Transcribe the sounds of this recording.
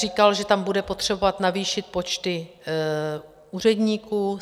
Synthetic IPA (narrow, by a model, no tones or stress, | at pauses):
riːkalʒɛt̪ambudɛpo̞t̪r̝̥ɛbo̞vat̪naviːʃɪt̪̚po̞t͡ʃt̪ɪ | uːrɛdɲiːkuː